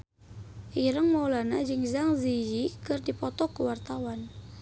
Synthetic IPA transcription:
ʔiɾəŋmɔlanad͡ʒɨŋzaŋzijikɨrdipɔt̪ɔkuwart̪awan

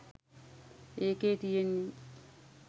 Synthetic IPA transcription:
eːkeːt̪ijenːi

